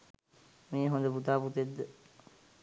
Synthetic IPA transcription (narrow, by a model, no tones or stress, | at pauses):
meːɦõnd̪əput̪aːput̪ed̪ːə